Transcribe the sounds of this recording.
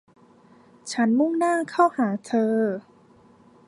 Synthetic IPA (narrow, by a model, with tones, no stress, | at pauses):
t͡ɕʰa˦˥nmu˥˩ŋnaː˥˩kʰa˥˩whaː˩˦t̪ʰɤː˧